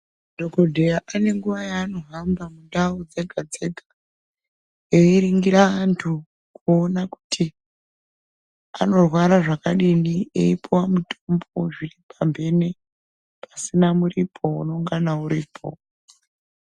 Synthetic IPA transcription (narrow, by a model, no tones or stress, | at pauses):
dʱokodʱejaʔane̞ŋɡuʋajaːno̞ɦambamundaod͡ze̞ɡʱad͡ze̞ɡʱḁ | eiɾiŋɡiɾaantʰu | kuonaku̥tʰi | a̰no̞rwaɾaʐakaɗiniḛipʰowamuto̞mbo̞ʐiripʰambʱe̞ne | pʰasinamuripʰo̞uno̞ŋɡanauɾiːpʰo̞̰